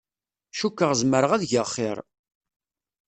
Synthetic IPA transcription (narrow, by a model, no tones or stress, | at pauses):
ʃukːəʁzməɾəʁæðʝəχːɪɾˤ